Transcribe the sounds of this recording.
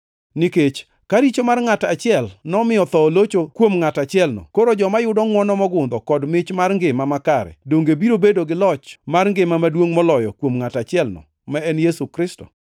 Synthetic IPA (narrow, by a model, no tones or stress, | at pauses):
nɪket͡ʃ | kaɾit͡ʃomarŋatat͡ʃɪɛlnɔmɪjɔt̪ɔlot͡ʃokwomŋatat͡ʃɪɛlnɔ̰koɾod͡ʒɔmajʊdɔŋwɔnɔmɔɡʊnd̪ɔkɔdmɪt͡ʃmarŋɡɪmamakaɾɛ̰doŋɡebiɾobedoɡɪlɔt͡ʃmarŋɡɪmamadwoŋmɔlɔjɔkwomŋatat͡ʃɪɛlnɔ̰ | mɛɛnjesukɾɪstɔ̥̰